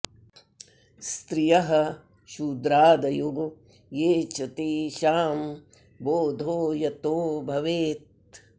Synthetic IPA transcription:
st̪ɾijɐɦɐ̆ | ʃud̪ɾaːd̪ɐjoɡo | jeːt͡ʃɐt̪iʃaːm | boːd̪ʱoːjɐt̪oːbʱɐʋeːt̪̚

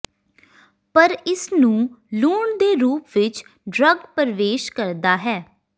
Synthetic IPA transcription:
pəɾɪsnũːluːɳd̪eːɾuːpʋɪt͡ʃ | ɖɾəɡpəɾʋeːʃkəɾd̪aːɦɛː

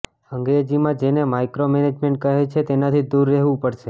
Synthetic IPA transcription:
əŋɡɾed͡ʒimãd͡ʒenemajkɾomɛned͡ʒmẽɳʈ̚kəɦet͡ʃʰet̪enat̪ʰid̪uɾːɛɦʋũpəɾʃe

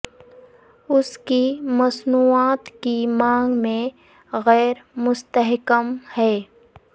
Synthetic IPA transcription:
ʊskimɐsnuːaːt̪kimãːŋɡmẽ | ɣɛːɾmʊst̪əɦkəmhɛː

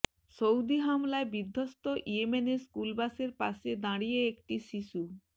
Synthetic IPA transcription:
ʃowd̪iɦamlaebid̪ʱːost̪oʔiemeneskulbaseɾpa̰ʃed̪ãɽijeekʈiʃiʃu

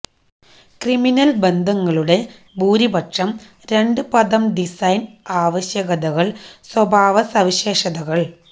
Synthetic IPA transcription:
kriminɐlbe̞nd̪ʱɐŋːɐɭuɽe̞ | buːɾibɐʈʂɐm | ɾe̞ɳɖɨpɐðɐmɖisɐjnaːʋɐɕjɐɣɐðɐɣɐɭswɐbʱaːʋɐsɐʋiɕe̞ːʂɐðɐɣɐɭ

